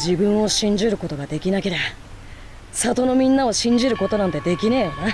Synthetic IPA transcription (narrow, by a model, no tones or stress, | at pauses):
d͡ʑibɯ̟̃ɰ̃o̞ɕĩɲ̟d͡ʑiɾɯ̟ko̞t̪o̞ɡad̪e̞kʲinake̞ɾeba | sat̪o̞no̞mʲĩnːao̞ɕĩɲ̟d͡ʑiɾɯ̟ko̞t̪o̞nãnt̪e̞d̪e̞kʲine̞ːjona